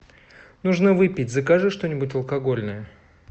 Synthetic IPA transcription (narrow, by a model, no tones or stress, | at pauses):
nuʐnəvɨpʲɪtʲzɐkaʐɨʂt̪o̞nʲɪbʊt̬ʲɐlˠkɐɡo̞lʲnəjə